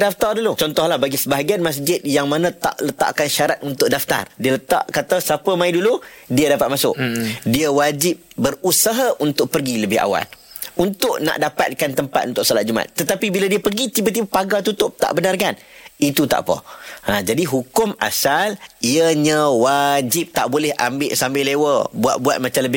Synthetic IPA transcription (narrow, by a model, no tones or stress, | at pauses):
daft̪ardulut͡ʃɔnt̪ɔhlahbaɡisəbaɦaɡianmas̬d͡ʒɪt̪̚jaŋmanə̃t̪a̰ʔlət̪a̰ʔkanʃaɾat̪̚unt̪ʊʔ̚daft̪a̰rdiələt̪a̰ʔkat̪asapəmãiduludiədapat̪̚masʊ̰ʔdiəwad͡ʒɪp̚bərusaɦaʔunt̪ʊʔ̚pərɡiləbɪɦa̰wa̰lunt̪ʊʔna̰ʔdapa̰t̪̚kant̪əmpat̪unt̪ʊʔsɔlat̪̚d͡ʒuma̰t̪ːət̪apibiladiəpərɡit̪ibət̪̬ibəpaɡat̪ut̪ʊp̚t̪a̰ʔbənarkan | it̪ut̪a̰ʔpə̰ãd͡ʒadiɦukʊma̰saliəɲə̃wad͡ʒɪp̚t̪aʔbolɛha̰mbɪʔsambɪlewəbua̰t̪̚buat̪̚mat͡ʃamləbɪ